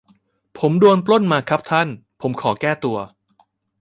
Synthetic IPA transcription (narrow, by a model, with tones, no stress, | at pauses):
pʰo˩˦mdu˧ənplo˥˩nmaː˧kʰa˦˥p̚t̪ʰa˥˩npʰo˩˦mkʰɔː˩˦kɛː˥˩t̪u˧ɐ